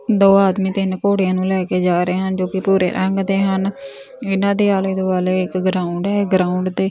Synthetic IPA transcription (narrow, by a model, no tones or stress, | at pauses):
d̪oːaːd̪miːt̪ɪnkoːɽejãːnũːlɛːkeːd͡ʒaːɾeːɦənd͡ʒoːkɪpuːɾḛːɾʔəŋɡd̪eːɦən | ɪnãːd̪eːaːleːd̪oːbaːleːɪkɡɾaːʊɳɖɦɛːɡɾaːʊɳɖd̪eː